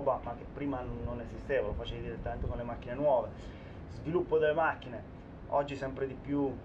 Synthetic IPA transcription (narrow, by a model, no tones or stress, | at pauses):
bamak̟ːepːɾiːmanːonezist̪eːvalofat͡ʃeːvid̪iɾet̪ːament̪ekonlemakːinenwɔːve | zvilupːod̪elːemakːine | ɔd͡ʒːisɛmpɾed̪ipju